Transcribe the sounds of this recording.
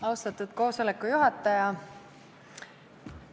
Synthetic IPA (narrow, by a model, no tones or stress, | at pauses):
ɑwst̪ɑt̪ːˑud̪̥̚ko̞ːso̞lekːˑujuɦɑt̪ːˑɑjɑ